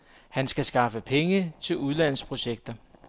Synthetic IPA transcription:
hænsɡ̥æsɡ̥ɑ̈fəpʰeŋət͡sʰe̝luð̞ˠlæn̰spʰʁo̝ɕeɡ̥̚d̥ɐ

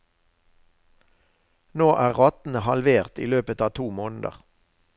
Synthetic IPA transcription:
noːʔæːʁʁɔt̪n̩əhɑlʋeːʁt̪ḭːløːpət̪ɑːt̪ʰuːmoːnd̪ə̰ʁ

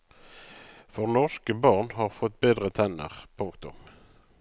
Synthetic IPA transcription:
fɔʁnɔʁskəbɑːʁnhɑːʁfɔt̪̚ːbeːd̪ʁət̪ʰɛnə̰ʁpʰʊŋkt̪ʊm

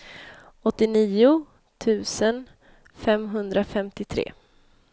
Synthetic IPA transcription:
ɔt̪ːɪniːʊ | t̪ʰʉ̟ːsən | fɛmɦɵnd̪ɾafɛmt̪ɪt̪ʰɾḛː

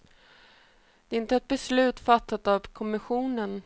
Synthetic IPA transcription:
d̪̥ɛɾɪnt̪əɛt̪̚bɛslʉ̟ːt̪fat̪ːat̪avkʰɔmɪɧuːnən

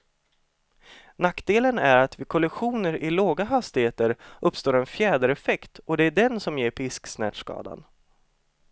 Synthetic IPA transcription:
nakːd̪eːlənæɾat̪vɪkʰɔlɪɧuːnəɾʔɪloːɡaɦast̪ɪheːt̪əɾɵpːst̪oːɾɛnfjɛːd̪əɾɛfɛkt̪ɔd̪ɛæɖɛnsɔmjeːɾpʰɪsksnɛ̰ːʈ̪ʂkɑ̰ːd̪a̰n

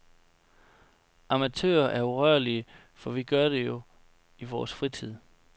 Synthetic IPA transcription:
ɑ̈mæt͡sʰø̰ːɐʔæɐuʁœɐliə | fɒ̽ʋiɡ̥ɶɐd̥e̝jo̝ | iʋɒ̰ːsfʁit͡sʰið̰ˠ

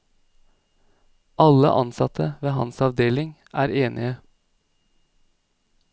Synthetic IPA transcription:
ɑlə̰ʔɑnsɑt̪ʰəʋeːhɑ̰nsɑʋd̪eːlɪŋ | ʔæːɾeːnʔɪə

